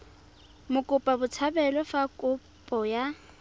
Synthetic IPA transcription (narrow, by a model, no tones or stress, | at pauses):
mʊkʼʊpʼabʊt͡sʰabɛlɔfakʼʊ | pʼɔja